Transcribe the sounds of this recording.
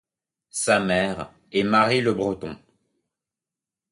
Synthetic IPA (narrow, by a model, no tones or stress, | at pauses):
samɛʁ | ɛmaʁiləbʁət̪ɔ̃